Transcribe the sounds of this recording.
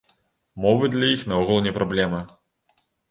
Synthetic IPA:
mɔvɨd̪lʲɐjixnɐɔɣɨlˠnʲɛpɾablʲɛmɐ

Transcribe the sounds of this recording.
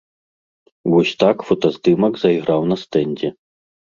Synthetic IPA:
ʋɔsʲt̪akfɔt̪ɔzd̪ɪmɐɡzɐjiɣɾɑwnɐst̪ɛnʲdʲɛ

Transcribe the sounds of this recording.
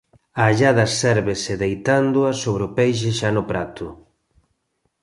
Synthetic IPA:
aːʎaðɐsɛɾβesɪðejt̪and̪ʊasoβ̞ɾeopejʃ̬eʃanʊpɾat̪ʊ

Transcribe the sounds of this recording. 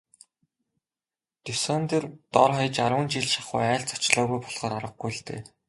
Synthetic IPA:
t̪ɵsɔːnt̪ert̪ɔrχɔj̆t͡ɕaɾwə̆nt͡ɕiɮʃaχʊ̰jæːɬt͡sʰɔ̥t͡ɕɮɔːɣujpɔɮʁ̥ɔːɾaɾə̆q̚ɡujɬɮt̪ḛː

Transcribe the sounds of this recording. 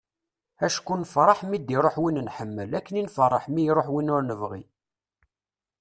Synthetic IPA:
æʃkunəfɾˤɑħmid̪iɾˤoħwinnħəmːəlækːəninfɾˤːɑħmijɾˤoħwinʊɾnəvʁḭ

